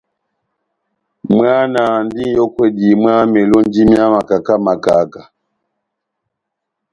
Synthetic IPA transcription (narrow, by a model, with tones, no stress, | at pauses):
mwa˦na˨n˦di˦n˦jɔ˦kwɛ˨di˨mwa˦mɛ˨lo˦n˦d͡ʒi˦m˦a˦ma˨ka˨ka˦ma˨ka˨˦ka˨